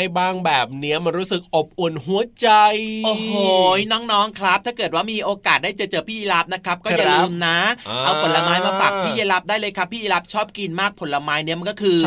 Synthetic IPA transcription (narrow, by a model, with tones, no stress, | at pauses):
jbaː˥˩ŋbɛː˨˩p̚ni˦˥ɐma˧nɾuː˦˥sɯ˨˩k̚ʔo˨˩p̚ʔo˨˩nɦu˨˩˦ɐt͡ɕa˧jʔoː˨˩hoː˨˩jnɔː˦˥ŋnɔː˦˥ŋkʰɾa˦˥p̪̚ʰaː˥˩kɤː˨˩t̪̚waː˥˩miː˧ʔoː˧kaː˨˩t̪̚daː˥˩jt͡ɕa˨˧˩t͡ɕɤː˧˩pʰiː˥˩ʔi˧la˦˥p̚na˦˥kʰɾa˦˥p̚kɔː˥˩˧ja˧lu˧mnaː˦˥ʔa˧wpʰo˨˩˦nla˧maː˦˥jmaː˧fa˨˩k̚pʰiː˥˩je˧˥la˦˥p̚daː˥˩jlɤː˧jkʰa˦˥pʰːiː˥˩ʔi˧la˦˥p̚t͡ɕʰɔː˥˩p̚ki˧nmaː˥˩k̚pʰo˩˦nla˧maː˦˥jni˦˥ɐma˧nkɔː˥˩kʰɯː˧